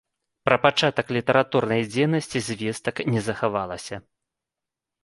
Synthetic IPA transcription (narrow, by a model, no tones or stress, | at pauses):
pɾɐpat͡ʂat̪ɐklʲit̪ɐɾat̪urnɐjd͡zʲejnɐsʲt͡sʲizʲvʲɛst̪ɐknʲɛzɐxavalˠɐsʲɐ